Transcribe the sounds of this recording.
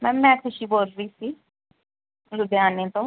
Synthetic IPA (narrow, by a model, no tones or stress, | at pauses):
mɛ̃ːɛ̃kʰʊʃiboːlɾiːsiː | ɾʊd̪eaːnẽːt̪õː